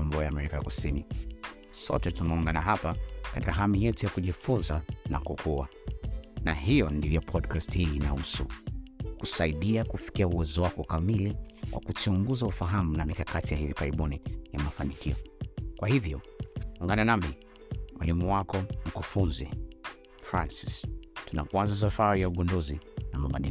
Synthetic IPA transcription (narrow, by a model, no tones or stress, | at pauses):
mbɔjaːmɛɾikajakusini | sɔ̰tɛtunauŋɡanaɦapakati̥kaɦamijɛtujakuʄifunzana̰kukʰua | naɦijɔndivjɔpʰɔdkasthiːnausṵkusaiɗiakufi̥kiauwɛzɔwakɔkamiliwʔa̰kut͡ʃuŋɡuzaufaɦamunamikakatijahivikaɾiɓunijamafanikiɔkwahivjɔ | aŋɡananami | mwʔalimuwakɔm̩kufunzi | fɾa̰nsi̥stuna̰kwanzas̬afaɾijauɠɔndɔzinamaɓa̰ɗḭl